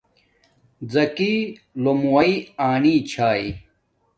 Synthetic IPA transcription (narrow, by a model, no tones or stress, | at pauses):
d͡zɐkiː | lomuwɐiaːniːt͡ɕʰaːi